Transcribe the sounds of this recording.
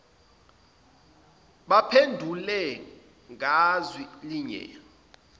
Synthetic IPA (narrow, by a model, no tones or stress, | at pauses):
ɓapʰendʱulɛ | ŋʱazwiliɲɛ̰